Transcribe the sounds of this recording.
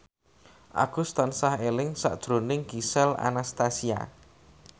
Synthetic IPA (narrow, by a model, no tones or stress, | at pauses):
ʔa̰ɡ̥ust̪ansaɦelɪŋsa̰ʔd̥ʒ̥ɾonɪŋɡisɛla̰nast̪asia̰